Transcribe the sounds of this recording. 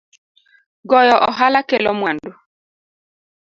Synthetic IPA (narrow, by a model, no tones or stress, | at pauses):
ɡɔjɔʔɔɦalakelɔmwando